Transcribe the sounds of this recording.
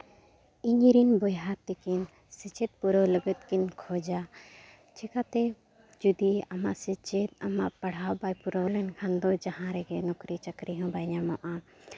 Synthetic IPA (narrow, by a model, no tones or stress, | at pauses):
iŋiɾinbɔjɦat̪ɛkin | sit͡ʃɛt̪̚puɾɔləɡət̪̚kinkʰɔd͡ʒa | t͡ʃɛkat̪ɛ | d͡ʒud̪iama̰ʔsit͡ʃet̪amaʔpaɽ̤awbajpuɾɔlɛnkʰãnd̪ɔd͡ʒaɦãɾɛɡɛnɔkɾit͡ʃəkɾiɦɔ̃bajɲamɔ̃ʔã